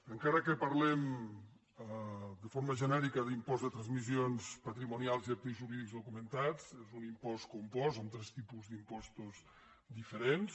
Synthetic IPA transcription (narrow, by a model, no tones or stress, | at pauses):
əŋkaɾəkəpəɾlɛm | d̪əfoɾməʒənɛɾikəðimpɔzðət̪ɾənzmizionspət̪ɾimunialˠziat̪iʒuɾiðikzðukumənt̪at͡sezunimpɔskumpɔzamt̪ɾɛst̪ipuzd̪impɔst̪uz | d̪ifəɾens